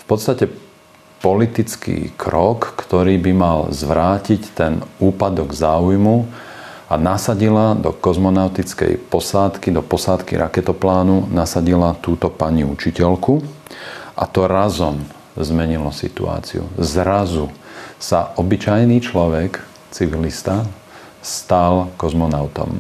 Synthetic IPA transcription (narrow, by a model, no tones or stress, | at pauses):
fpɔt̪st̪acɛ | pɔlit̪it͡skḭːkʰɾɔkːt̪ɔɾiːbimalzʋɾaːcict̪ɛnuːpad̪ɔɡzaːujmu | anasaɟilad̪ɔkɔzmɔnaʊt̪it͡skɛ̰jpɔsaːt̪kid̪ɔpɔsaːt̪kḭɾʔakɛt̪ɔplaːnunasaɟilat̪uːt̪ɔpaɲiut͡ʃicɛlku | ʔa̰t̪ɔɾazɔm | zmɛɲilɔsḭt̪ṵa̰ːt͡sḭṵzɾazusaʔɔbit͡ʃajniːt͡ʃlɔʋɛk | t͡siʋilist̪a | st̪alkɔzmɔnaʊt̪ɔ̰m